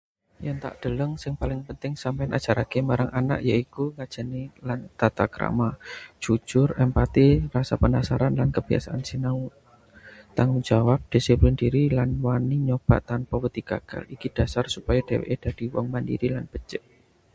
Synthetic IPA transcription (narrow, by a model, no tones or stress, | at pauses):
jaŋt̪a̰ʔd̪̥ələŋsɪŋpalɪŋpənt̪ɪŋsampajnʔad̥d͡ʒ̥aɾakemaɾaŋʔana̰ʔjaikuŋḁd͡ʒ̥a̤nilant̪at̪akəɾa̰mḁʒ̥u̥d͡ʒ̥ʊrəmpat̪irasapənasaɾanlankəb̥ia̰saʔansinau | t̪aŋuŋd͡ʒawap̚d̪̥isiplɪndiɾilanwaniɲob̥a̰ʔt̪anpawət̪iɡ̥aɡ̥a̰likid̥asarsupajad̥ewḛʔed̥a̤d̥iwɔ̰ŋmandḭɾilanb̥ət͡ʃəʔ